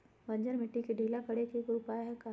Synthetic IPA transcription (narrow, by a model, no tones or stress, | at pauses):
bɐ̃ɲd͡ʒəɾmɪʈːikiɖʱiːlakɐɽekekoʊpaːjaɦɛka